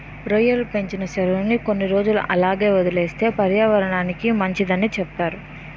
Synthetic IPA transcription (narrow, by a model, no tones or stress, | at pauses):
ɾojɐlpe̞ɲt͡ʃinɐʃɐɾɐunːiko̞nːiɾo̞ːd͡ʒuluʔɐlaːɡe̞ːod̪ile̞ːst̪e̞ːpɐɾjaːʋɐɾɐɳaːnikimɐɲt͡ʃid̪ɐnːit͡ʃɛpt̪aːɾu